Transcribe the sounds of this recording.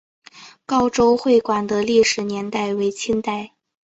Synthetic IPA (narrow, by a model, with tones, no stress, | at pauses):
kɑ˥ʊʈ͡ʂo˥ʊxwe˥˩ɪkwa˨˩nd̪ə˦li˥˩ʂɻ̩˨˩njɛ˧˥nt̪a˥˩ɪwe˧˥ɪt͡ɕʰi˥nt̪a˥˩ɪ